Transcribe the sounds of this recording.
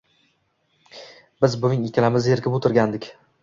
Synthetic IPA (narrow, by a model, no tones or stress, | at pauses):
bɪzbʊnɪŋɪkʲʰalamɪzeɾkʲɪpʊt̪ʰɪɾɡʲand̪ɪkʲ